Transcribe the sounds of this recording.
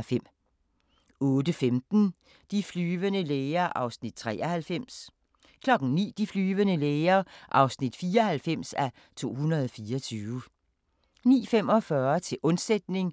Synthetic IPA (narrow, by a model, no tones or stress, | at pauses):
fem̰ | ɔ̽ːdəfemd̥n̩ | d̥iflyːʋənəleːɐʔɑ̈ʊsnid̥̚t͡sʰʁɛ̰ːɐhælfem̰s | kʰlɒ̽ɡ̥ŋ̩nḭːd̥iflyːʋənəleːɐʔɑ̈ʊsnid̥fiːɒhælfem̰sæ | t͡sʰo̝̰ːhunɐð̞ˠɒfiːɐt͡sʰyːʋə | nḭːfem̰ɒ̽fɶɐt͡sʰe̝ʔɔ̽nsed̥̚ne̝ŋ